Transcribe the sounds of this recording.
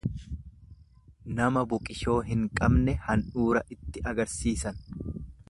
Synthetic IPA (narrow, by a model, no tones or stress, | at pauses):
nɐmɐbʊkʼɪʃo̞ːɦɪŋkʼɐbnɛhɐnᶑuːɾɐʔɪt̪ːɪʔɐɡɐɾsiːsɐn